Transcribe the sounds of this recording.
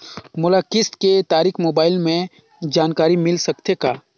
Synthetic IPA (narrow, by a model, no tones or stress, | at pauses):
mʊlakɪst̪ket̪aːɾiːxmoːbaːɪlmẽ | d͡ʒaːnkaːɾimɪlsɐkt̪ʰekaː